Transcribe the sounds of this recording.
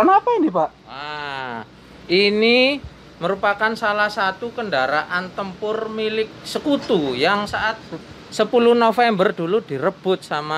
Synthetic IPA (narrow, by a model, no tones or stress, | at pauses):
anapainipaʔ | wa | ini | məɾupakansalahsat̪ukəndaɾaʔant̪əmpʊrmilɪk̚səkut̪ujaŋsaʔat̪̚ | səpuluhnofɛmbərdulud̥i̤ɾəb̥ʊt̪̚sama